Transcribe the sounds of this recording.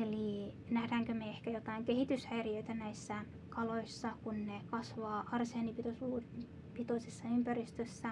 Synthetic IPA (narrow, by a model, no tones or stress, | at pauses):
eli | næhdæːŋkømeehkæjot̪ɑiŋkehit̪yshæirjøit̪ænæisːæ | kɑloisːɑkunnekɑsʋɑːʔɑrseɑnipit̪osuː | pit̪oisesːɑympærist̪øsːæ